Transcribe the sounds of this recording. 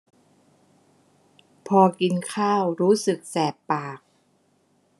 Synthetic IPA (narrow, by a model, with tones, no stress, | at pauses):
pʰɔː˧ki˧nkʰaː˥˩wɾuː˦˥sɯ˨˩k̚sɛː˨˩pːaː˨˩k̚